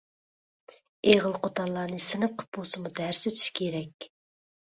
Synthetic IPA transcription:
eʁəlˠqʰot̪ʰɑlˠːɑːnɨsɨnɨp̚qʰə̥p̚bosɨmud̪æɾsɪt͡ʃʰy̥ʃkʲʰeɾɛkʲ

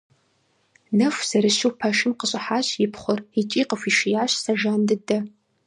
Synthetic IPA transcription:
nɐfʷz̥ɐɾɨʃɨwpʰɐʃɪmqəɕʼɪħaːɕjɪpʰχʷʊrit͡ʃʼiːqəfʷiʃɪjaːɕsɐʒaːndɨdɐ

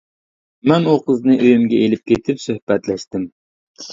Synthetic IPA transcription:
mɛnuqəznɨʔøjymɡʲɛelɪp̚kʲet̪ʰɪpsøhb̥ɛt̪lɛʃt̪ɪm

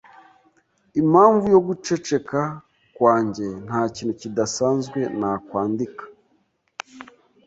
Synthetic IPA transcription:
imaːɱvujo̞ɡut͡ʃe̞t͡ʃe̞ka | kwaːɲɟe̞n̥haːciːnucidasaːnzɡwe̞nakwaːndikḁ

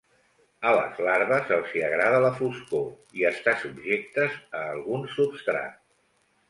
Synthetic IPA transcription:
ələ̰zlaɾβəzəlˠsiəɣɾaðələfusko | iəst̪asubʒek̚t̪əzəːlˠɣunsupst̪ɾa̰t̪

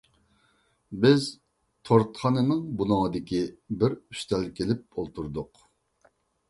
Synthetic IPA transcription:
bɪz | t̪ʰoɾt̪χɑnɨmɨŋbunɨŋɨd̪ɪkʲibɪɾy̥ʃt̪ʰɛlkʲʰelɪp̚olˠt̪ʰuɾd̪ʊq

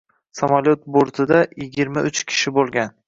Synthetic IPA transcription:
samalʲot̪̚boɾt̪ʰɪd̪ajɪɡʲɪɾmaʊt͡ʃkʲʰɪ̥ʃɪbolˠɡʲan

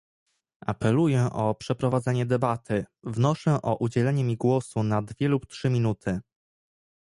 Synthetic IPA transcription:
ʔa̰pɛlujɛʔɔpʂɛpɾɔvad̪zɛɲɛd̪ɛbat̪ʰɘvnɔʂɛʔɔʔud͡ʑɛlɛɲɛmʲiɡwɔsunad̪vʲjɛluptʂɘmʲinut̪ʰɘ

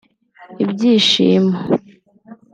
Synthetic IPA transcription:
ibɟiːʃḭːma

